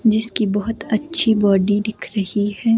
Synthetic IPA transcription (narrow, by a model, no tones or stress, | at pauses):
d͡ʒɪskibɐɦʊt̪ɐtːʃʰibɔːɖid̪ɪkʰɾɐhiɦɛː